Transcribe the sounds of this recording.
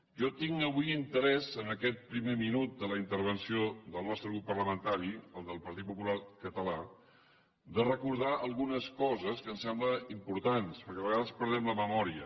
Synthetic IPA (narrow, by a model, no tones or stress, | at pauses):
ʒɔt̪iŋəβujint̪əɾɛzənəkɛt̪̚pɾimeminut̪̚d̪ələint̪əɾβənsioðəlˠnɔst̪ɾəɣɾupːərləmənt̪aɾiəlˠd̪əlˠpəɾt̪it̪̚pupulakət̪əla | d̪ərəkuɾð̞aʔəlˠɣunəskɔzəskənsɛmbləimpuɾt̪anspəɾkɛβəɣaðəspəɾð̞ɛmləməmɔɾiə̰